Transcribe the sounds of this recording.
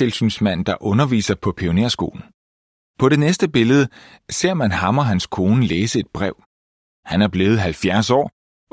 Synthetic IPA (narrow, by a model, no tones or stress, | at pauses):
e̝lsynsmæn̰d̥ɑ̈ʔɔ̽nɐʋḭːsɐpʰɒ̽pʰio̝neɐsɡ̥o̝̰ːln̩ | pʰɒ̽ɾe̝nesd̥əb̥e̝ləð̞ˠə | se̝ɐ̰mænhɑ̈mɒ̽ɦænskʰo̝ːnəleːsəe̝d̥̚b̥ʁɛʊ̰ | hænæɐb̥le̝ːð̞̩ˠɦælfjæɐsɒ̰ː